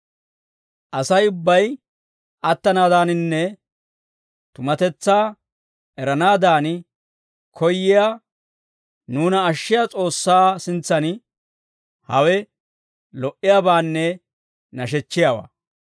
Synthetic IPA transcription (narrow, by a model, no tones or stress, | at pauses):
ʔɐsɐjʊbːɐj | ʔɐt̪ːɐnaːd̪aːnɪnːɛ | t̪ʊmɐt̪ɛt͡sːaː | ɛɾɐnaːd̪aːn | kʰɔjːɪja | nuːnɐːʃːɪjat͡sʼo̞ːsːaːsɪnt͡sːɐn | hɐwɛ | lɔʔɪjaːbaːnːɛ | nɐʃ̬ɛt͡ʃːɪjaːwa̰ː